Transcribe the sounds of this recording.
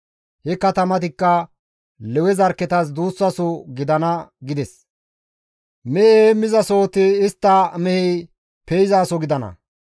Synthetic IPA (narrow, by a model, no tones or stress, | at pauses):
hɛkɐt̪ɐmɐt̪̬ɪkːɐ | lɛwɛzɐɾkːɛt̪ɐs̬d̪uːsːɐsɔɡɪd̪ɐnɐɡɪd̪ɛs | mɛheemɪzɐsoːt̪ɪːst̪ːɐmɛhɛ | pɛjzaːsɔɡɪd̪ɐnɐ̰